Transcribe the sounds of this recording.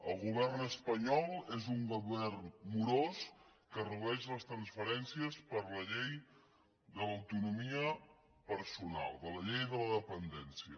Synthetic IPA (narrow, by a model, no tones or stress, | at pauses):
ə̰lˠɣuβ̞ɛrnəspəɲɔlˠezuŋɡuβɛrnmuɾoskəruβɛʃləst̪ɾənsfəɾɛnsiəspəɾləʎej | ðələwt̪unumiə | pəɾsuna̰lˠd̪ələʎejðələðəpənd̪ɛnsiə